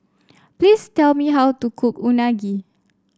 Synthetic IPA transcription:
plistɛlmiɦawtukʰʊpunaɡi

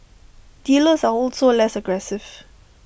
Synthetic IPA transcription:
d̥iləsaɔlsolɛsəɡɹɛsɪv̥

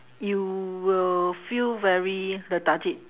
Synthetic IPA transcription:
juwilfilvɛɹiɹədatit̚

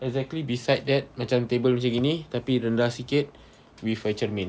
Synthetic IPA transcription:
ɛɡ̚zɛk̚tlibisajt̚dɛt̪̚mãt͡ʃamt̪ebəlmat͡ʃãŋɡinĩt̪apiɾəndahsikɪt̪̚ | wifət͡ʃərmɛ̃n

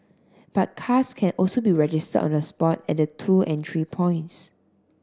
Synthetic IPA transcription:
b̥at̚kʰaskʰɛ̃nʔɔlsobiɹɛd͡ʒɪstə̰dɔ̰̃nəspɔtɛ̰t̚dətʰuʔɛ̃ntʰɹipʰɔ̃ɪ̃nts

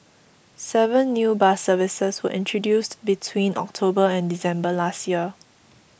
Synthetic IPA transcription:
sɛvə̃nːjuːbasəvɪsəswə̰ʔɪ̃ntʰɹodjustbitʰwĩnʔɔ̰k̚tʰobəɛ̃ndisɛ̃mbəlastjiə

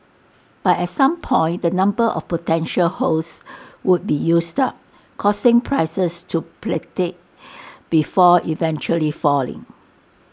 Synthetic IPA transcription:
b̥atɛtsãmpʰɔ̃ɪ̃ntdənãmbəʔɔ̰fpotɛ̃nʃəlhoswud̚bijusdap̚ | kʰɔsɪ̃ŋpʰɹaɪsəstʰupletek̚ | b̥ifɔivɛ̃nt͡ʃuəlifɔlɪ̰̃ŋ

